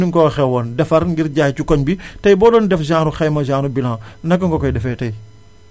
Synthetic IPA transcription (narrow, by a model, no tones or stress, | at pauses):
iŋkɔxɛwɔndɛfɐɾŋɡiɾɟaːjcukɔɲbitɐjbɔːdɔndɛfʒaːnuxɛjmɐʒaːnubilãːnɐkːɐŋɡɔkɔjdɛfɛtɐj